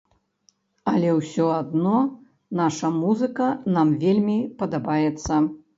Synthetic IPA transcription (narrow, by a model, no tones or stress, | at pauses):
ɐlʲɛwsʲɔad̪nɔ | naʂɐmuzɨkɐnamvʲelʲmʲipɐd̪abajɛt̪sːɐ